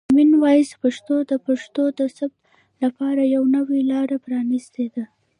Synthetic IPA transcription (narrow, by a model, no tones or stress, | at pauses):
minwɑjispaʂt̪od̪əpaʂt̪od̪əsabt̪ | lapɑɾajawnəwilɑɾapɾɑnist̪ed̪a